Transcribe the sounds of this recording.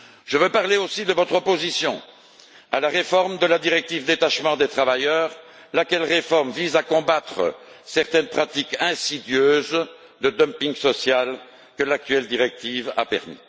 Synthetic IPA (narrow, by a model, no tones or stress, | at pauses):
ʒ̥əvøpaʁleosid̪əvɔt̪χɔpozisjɔ̰̃ | a̰laʁefɔʁmd̪əlad̪iʁɛk̚t̪ivd̪et̪aʃmɑ̃d̪et̪χavajœːʁ | lakʲɛlʁefɔʁmvizakɔ̃bat̪χə̰sɛʁt̪ɛnpχat̪ikɛ̃sid̪jøːz | d̪əd̪ɔmpiŋɡsɔsjal | kəlak̚t̪ɥɛld̪iʁɛk̚t̪iva̰pɛ̰ʁmḭ